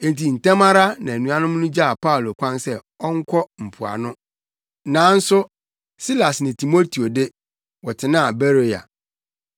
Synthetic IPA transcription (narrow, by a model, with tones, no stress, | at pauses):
n˨ti˨n̩˨tɛ̃˦ma˦ɾa˦nã˨æ˨nũ˨a˦nʊ̃˦m̃˦nʊ̃˦d͡ʑa˦a˨pʰa˦u˨lo˨kʷʰã˦nsɛ˦ | ɔ˦ŋ̩˦kʷʰɔ˦m̩˨pʰu˨a̰˨nʊ̃˦ | nãː˨˦n̩˦sʊ˦ | si˦la˨snɪ̃˨tʰi˨mo˦tʰi˨o˨de˦ | wɔ˨tʰɪ˨nã˦˨be˦ɾe˨ja̰˨